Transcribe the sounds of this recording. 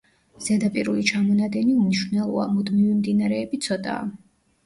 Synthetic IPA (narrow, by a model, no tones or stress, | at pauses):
z̥ɛd̪apʼiɾulit͡ʃʰamɔnad̪ɛniumniʃvnɛlˠɔa̰mud̪mivimd̪inaɾɛːbit̪sʰɔt̪ʼa̰ː